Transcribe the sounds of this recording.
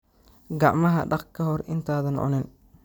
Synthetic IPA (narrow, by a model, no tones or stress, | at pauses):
ɡɑʕmɐɦɐ̰ɖɑqkʰɐɦɔrʔɪnt̪ʰaːðɐnʕɔ̰nɪn